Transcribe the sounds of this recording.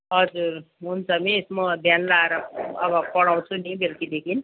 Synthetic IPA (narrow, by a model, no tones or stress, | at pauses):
ɦʌd͡zurɦunt͡sʰʌmiesmʌbʱjanlaeɾʌʌ̰bʌpʌɽaw̃t͡sʰunibelkid̪ekʰin